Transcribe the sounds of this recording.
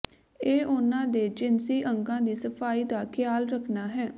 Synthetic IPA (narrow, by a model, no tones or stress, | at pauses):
eːʔʊnãːd̪eːd͡ʒɪnsiːʔəŋɡãːd̪iːsəpʰaːiːd̪aːkʰɪjaːlɾəkʰnaːɦɛː